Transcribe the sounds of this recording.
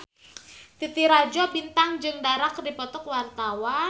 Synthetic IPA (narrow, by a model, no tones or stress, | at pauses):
t̪it̪iɾad͡ʒɔbint̪aŋd͡ʒɨŋdaɾakdipɔt̪ɔkwart̪awa